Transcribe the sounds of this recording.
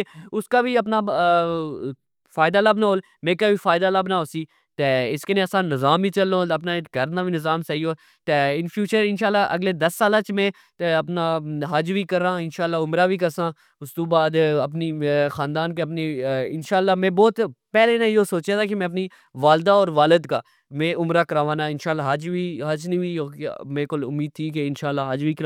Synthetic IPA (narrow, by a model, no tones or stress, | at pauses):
ʊskaːbiːəpnaː | faːɪd̪aːləbnaːɦoːl | mẽːkaːbiːfaːɪd̪aːləbnaːoːsiː | t̪eːɪskeneːəsãːnɪzaːmbiːt͡ʃəlːõːəpnaːɡəɾnaːʋiːnɪzaːmsəiːoː | t̪eːɪnpʰjuːt͡ʃəɾɪnʃaːlːaːʔə̰ɡleːd̪əsːaːlãːt͡ʃmɛ̃ː | t̪eəpnaːɦəd͡ʒʋiːkəɾãːɪnʃaːlːaːʊmɾaːbʱiːkəɾsãː | ʊst̪õːbaːd̪əp̬niːxaːnd̪aːnk̬eəp̬niɪnʃaːlːaːmɛ̃ːbɔːt̪pɛːleːnãoːsoːt͡ʃjaːt̪ʰaːk̬ɪmɛ̃ːəp̬niː | ʋaːld̪aːɔːɾʋaːləd̪kaː | mẽːʔʊmɾaːkəɾaːʋaːnaːɪnʃaːlːaːɦəd͡ʒʋiːɦəd͡ʒnĩːiːoːkmẽːkolʊ̰mːiːd̪̚t̪ʰiːk̬eɪnʃaːlːaːɦəd͡ʒbiːkɾ